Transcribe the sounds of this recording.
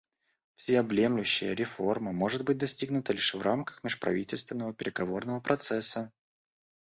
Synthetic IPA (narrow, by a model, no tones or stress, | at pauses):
fsʲɪɐblʲemlʲʉɕːɪjə̰ɾʲɪfo̞rməmo̞ʐɨd̪̚bɨt̚ʲd̪ɐsʲtʲiɡnʊt̪əlʲiʂvramkə̥xmʲɪʂpɾɐ̰vʲitʲɪlʲst̪vʲɪnːəvəpʲɪɾʲɪɡɐvo̞rnəvəpɾɐt̪sɛsːə